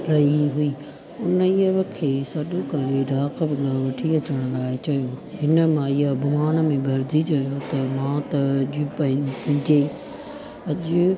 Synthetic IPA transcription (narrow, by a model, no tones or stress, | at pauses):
ɾɐɦiɦuiː | ʊnəiəʋəkʰːesɐɗokɐɾeɖʱaːkəbɪlaʋɐʈʰiɐt͡ɕəɽ̃ʊlaːet͡ɕɐjoɦɪnəmãɪɦabʱʊmaːnə̆mẽbʱɐɾd̪ʱit͡ɕɐjot̪ɐmãt̪ɐʄipɐ̃pɐ̃ɲd͡ʑe | ɐʄʊ